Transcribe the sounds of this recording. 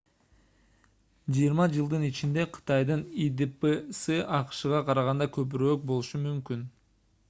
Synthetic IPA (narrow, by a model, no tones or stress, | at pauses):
d͡ʒijiɾmɑd͡ʒɯlˠd̪ɯnit͡ʃind̪e̞qʰɯ̥t̪ɑjd̪ɯnid̪ɨpesɨʔɑqɯ̥ʃɯʁɑqʰɑɾɑʁɑnd̪ɑkʰø̞p̬yɾøːk̚bo̞lˠuʃumymkyn